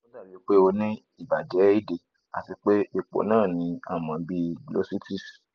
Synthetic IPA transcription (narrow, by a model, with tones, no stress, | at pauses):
o˦da˦˨ɾi˨˦k͡pe˦o˧nĩ˦ | i˦˨ba˨d͡ʒɛ˨˦i˦˨de˨ | a̰˨ti˧k͡pe˦e˦˨k͡po̰˨˦nãː˦˨nĩ˨˦a̰˦˨mã˨˧bi˧ɡlo̰˦si˦ti˦˨s